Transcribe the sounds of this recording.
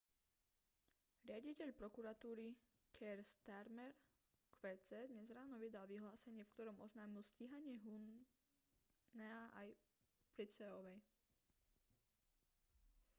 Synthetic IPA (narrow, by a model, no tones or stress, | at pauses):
ɾɪaɟicɛʎpɾɔkuɾat̪uːɾi | kʰɛɾst̪aɾmɛɾ | kʋɛːt͡sɛːd̪ɲɛzɾaːnɔʋid̪alʋiɦlaːsɛɲɪɛfkt̪ɔɾɔmɔznaːmilsciːɦaɲɪɛɦun | ɛaʔa̰j | pɾit͡sɛɔʋɛj